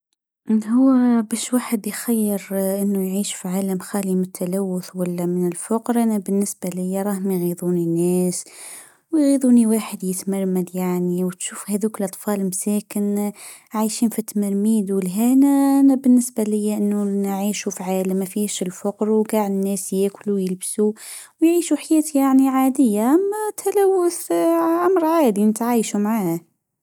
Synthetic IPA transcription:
ʔhʊwːbæːʃwaːħəd̪jxajːɪɾʔɪnːujʕiːʃfiʕaːlamxaːlimɪt̪ʰːalawːʊθwalːamɪnɪlfʊqɾʔanabɪnːɪsbalɪjːaɾˤɑːhmajɣiðˤuːninːæːs | wjɣiːðˤuːniwaːħəd̪jɪt̪maɾˤmad̪jaʕniwt̪ʃuːfhæðuːkɪlʔɑt̪ˤfɑːlmsæːkɪn | ʕajʃiːnfit̪ːamɑɾmiːd̪wɪlɦænanabɪnːɪsbalɪjːaʔɪnːunʕiːʃufʕaːlmæfiʃɪlfʊqɾwɡaːʕd̪ɪnːæːsjæːkʊlujəlbsu | wjʕiːʃuħajæːt̪jaʕniʕaːd̪ɪjːaʔamːat̪ʰalawːʊθʕamɾˤʕaːd̪inət̪ʕiːʃumʕaːh

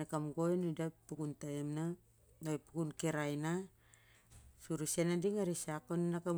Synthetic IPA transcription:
akamɡojnudapukuntaemna | nojpukunkeɾajna | suɾusenadiŋaɾisakonnaka

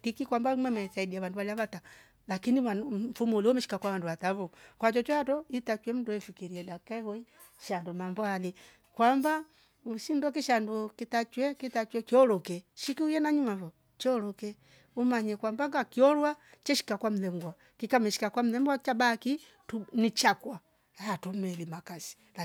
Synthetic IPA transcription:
tikikwambamwɛmaiθaidiawanduβaliaβata | lakiniafumuliɔmɛʃi̥kakwawanduwatavukwat͡ʃɔt͡ʃɔatɔitat͡ʃwɛm̩duɛfikiɾiɛdakaɛhɔi | ʃandumambɔali | kwamba | uʃindɔkiʃandɔkitat͡ʃwɛkitat͡ʃwɛkiɔlɔkɛʃikiujɛnaɲumavɔ | t͡ʃɛɔlɔkɛ | umaɲɛkwambaŋɡakiɔɾwat͡ʃɛʃi̥kakwam̩lɛŋɡwa | kikamɛʃi̥kakwam̩ɛmbwat͡ʃabaki | tunit͡ʃakwa | aatɔmɛlimakasi̥ | a

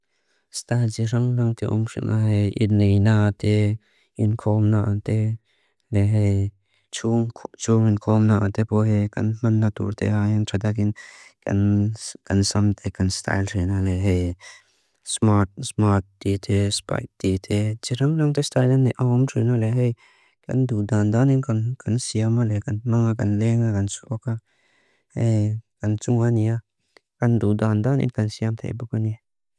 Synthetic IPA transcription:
st̪aːd͡ʒiɾɐŋɾɐŋt̪eʔo̰mʂḭnaɦeḭnijnat̪e | inkʰoːmnaat̪e | leɦe | t͡ʃʰut͡ʃʰuːminkʰoːmnaat̪epoːɦekɐ̰nmɐnːat̪ṵːɾt̪ʰḛaːjintʰɐt̪̬akinkɐ̰nkɐnsɐmt̪ekɐnst̪a̰ːjlʈʰːnaleɦe | smat̚smat̚d̪it̪ʰespa̰t̚d̪̥it̪ʰet͡ʃiɾaŋlaŋt̪est̪ajlanːeʔawmtinaleɦe | kʲa̰nd̪ud̪and̪aninkankʰansijamalekanmaŋakanleŋakansoka | hekant͡suŋania | kand̪ud̪and̪anḭnkansiamt̪ʰḛbukane

